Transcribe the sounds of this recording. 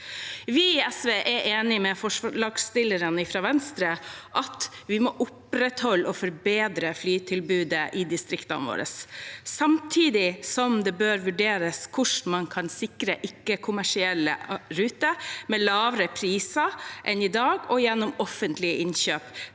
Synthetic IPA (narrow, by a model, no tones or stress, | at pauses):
ʋɪɛsʋeːʔɛʔeːnɪmɛfɔʂɭɑːɡst̪ɪlːəɾənɪfɾɑʋɛnst̪ɾəʔɑt̪ʋɪmɔʔʊpɾɛt̪hɔlːɔfɔɾbeːd̪ɾəflyːt̪ʰɪlbʉːd̪əʔɪd̪ɪst̪ɾɪkt̪ɑ̰nʋo̰ːɾə̰sːɑmt̪ʰiːd̪ɪsɔmd̪ɛbøːɾʋʉɖeːɾəskʰʊʂmɑnkʰɑnsɪkɾəʔɪkːəkʰʊmæʂɪɛlːə̰ɾʉːt̪əmɛlɑːʋɾəpʰɾiːsɑʔɛnɪd̪ɑːɡɔjɛnːɔmɔfənt̪lɪəɪnɕøːp